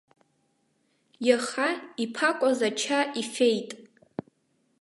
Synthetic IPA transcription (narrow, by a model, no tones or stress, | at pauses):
jaχaipʰakʷʼazat͡ʃʰaʔife̞jtʼ